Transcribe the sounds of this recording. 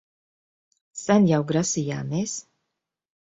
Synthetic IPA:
sænʲjawɡɾasijaːmeːs

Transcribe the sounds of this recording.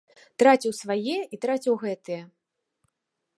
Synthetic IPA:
t̪ɾat͡sʲiwsvajɛit̪ɾat͡sʲiwɣɛt̪ɨjɛ

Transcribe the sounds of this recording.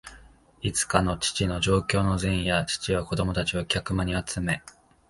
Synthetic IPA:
it͡sɨ̥kano̞t͡ɕi̥t͡ɕino̞ʑo̞ːkʲo̞ːno̞zẽɰ̃jat͡ɕi̥t͡ɕiβako̞d̪o̞mo̞t̪at͡ɕiokʲakɯ̟maɲ̟iat͡sɨme̞

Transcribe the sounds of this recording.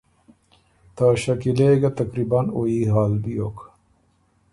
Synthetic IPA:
t̪aːɕɐkileːɡɐt̪ɐkɾibɐnoiːɦaːlbijok

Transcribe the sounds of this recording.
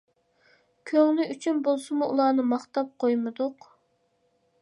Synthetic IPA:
kʲʰøŋlɪyt͡ʃʰynbolˠsɨmuʔulˠɑːnɨmɑχt̪ɑp̚qʰojmɨd̪ʊq

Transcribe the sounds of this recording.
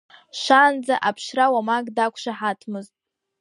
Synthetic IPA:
ʃʷand͡zaʔapʰʃrawamaɡʼdakʷʰʃaħatʰmɨztʼ

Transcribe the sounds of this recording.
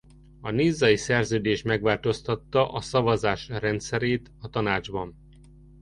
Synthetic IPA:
ɒniːzːɒisɛrzøːd̪eːʃmɛɡʋaːlt̪o̞st̪ɒt̪ːɒʔɒsɒvɒzaːʃrɛnt̪sɛɾeːt̪ɒt̪ɒnaːd͡ʒbɒn

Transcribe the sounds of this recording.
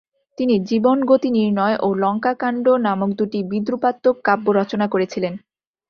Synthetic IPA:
t̪inid͡ʑibonɡot̪iniɾnɔeʔolɔŋkakaɳɖonamok̚d̪uʈibid̪ɾupat̪ːokːabːoɾɔt͡ɕonakoɾet͡ɕʰilen

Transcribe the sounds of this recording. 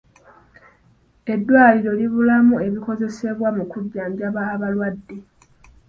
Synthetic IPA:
e̞dːwaːliɾo̞liβulamue̞βiko̞ze̞se̞βwamukuɟːaːɲɟjaβaːβalwadːe

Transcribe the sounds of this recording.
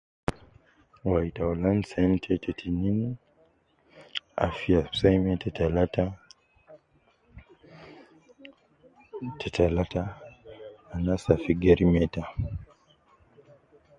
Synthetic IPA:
waitaɔlansɛntʰɛtʰɛtʰinini | a̰fiasajmɛtʰɛtalata | tʰɛtʰalataː | nasafiɡɛɾimɛta

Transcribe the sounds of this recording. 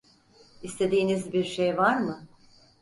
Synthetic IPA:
ist̪ʰe̞d̪iːnizbiɾʃejvaɾmɯ

